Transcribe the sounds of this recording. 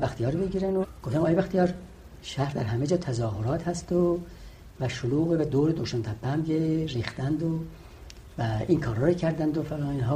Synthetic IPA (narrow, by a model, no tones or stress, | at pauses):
bæxt̪ʰijɒːɾbeɟiːɾænoɡ̥oft̪æmɒːjebæxt̪ijɒɾ | ʃæhɾd̪æɾɦæmed͡ʒɒːt̪ʰæzɒːɦoɾɒːt̪hæst̪o | væʃoluːɣebed̪oːɾed̪oʃɑnt̪ʰæpʰːæmɡeriːxt̪ænd̪o | væinkʰɒːɾɒːɾicʰæɾd̪ænd̪ofelɒːiːnɦɒː